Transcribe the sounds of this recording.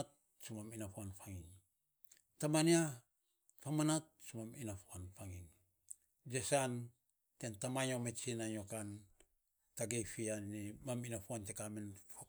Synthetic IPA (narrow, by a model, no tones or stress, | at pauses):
t̚ | sumaminapuanfaŋiŋ | tamania | pamanat̚sumaminafuanfaŋiŋ | d͡ʒesan | tentamaɲomet͡ʃinaɲokan | taɡejfianimaminapuantekamenfa